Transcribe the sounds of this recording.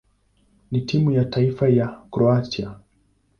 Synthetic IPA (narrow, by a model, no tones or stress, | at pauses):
nitimujataifajakɾɔatia